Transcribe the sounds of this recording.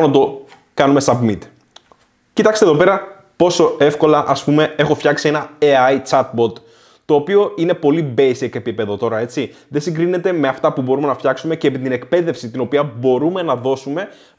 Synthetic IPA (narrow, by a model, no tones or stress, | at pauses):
nɐt̪o̞ | kɐnume̞sɐpmit̪ | cit̪ɐkst̪eðo̞pe̞ɾɐ | po̞so̞efko̞lɐʔɐspume̞e̞xo̞fçɐksie̞nɐeɐit͡sɐt̪̚bo̞t̪ | t̪o̞ːpio̞ine̞po̞libe̞jseke̞pipe̞ðo̞t̪o̞ɾɐe̞t͡siðe̞siŋɡɾine̞t̪e̞me̞ɐft̪ɐpubo̞ɾume̞nɐfçɐksume̞ceːpit̪ine̞kpe̞ðe̞fsit̪ino̞piɐbo̞ɾume̞nɐðo̞sume̞